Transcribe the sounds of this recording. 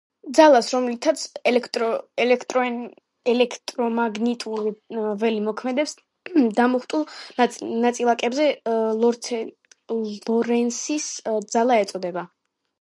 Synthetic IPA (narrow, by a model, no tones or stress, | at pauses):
d̪zalˠasɾɔmlit̪ʰat̪sʰɛlɛkt̪ʼɔɛlɛkʰt̪ʼɾɔ | ɛlɛkʰt̪ʼɾɔmaɡnit̪ʼuɾivɛlimɔkʰmɛd̪ɛps | d̪amɔχt̪ʼulˠnat̪sʼilˠakʼɛbzɛlɔɾt̪ʰ | lɔɾɛnsisd̪zalˠaɛt̪sʼɔd̪ɛba